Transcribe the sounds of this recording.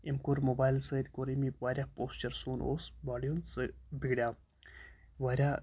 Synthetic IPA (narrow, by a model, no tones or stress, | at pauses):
imkoɾmoːbaːjlsɐjd̪koɾimiʋaːɾʲjapoːst͡ʃɐɾsuːno̰ːsbaːɖijonsɨbiɡɽʲja | ʋaːɾʲa